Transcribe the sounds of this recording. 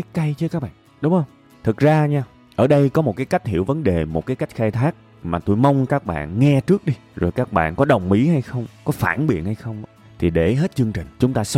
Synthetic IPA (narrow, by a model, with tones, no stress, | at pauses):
aː˨˦ka˧jt͡ɕɨ˧˨˦kaː˦˥k̚ɓa̰ː˧˨ | ɗʊ˨˦ŋ͡mhə˧wŋ͡m | t̪ʰɨ˨˩k̚zaː˧ɲaː˧ | ʔəː˧˩ɗə˧jkɔ˨˦mo˨˩kaː˨˦jka˦˥jk̟̚ɦḭ˧˨əwvə˨˦nɗe˨˩mo˨˩t̚kaː˨˦jka˦˥jk̟̚xaː˧jt̪ʰaː˦˥k̚ | maː˨˩t̪u˧jma˧wŋ͡mkaː˦˥k̚ɓa̰ː˧˨nŋɛ˧t͡ɕɨ˦˥ək̚ɗi˧zo˨˩jkaː˦˥k̚ɓa̰ː˧˨nkɔ˨˦ɗə˨˩wŋ͡mʔḭ˧˥ha˧jxə˧wŋ͡mkɔ˨˦fa̰ː˧˩nɓḭ˨˧˨ən̚ha˧jxə˧wŋ͡m | t̪ʰi˨˩ɗe˧˩ɦe˦˥t̚t͡ɕɨ˧əŋt͡ɕï˨˩ŋ̟t͡ɕʊ˨˦ŋ͡mt̪aː˧s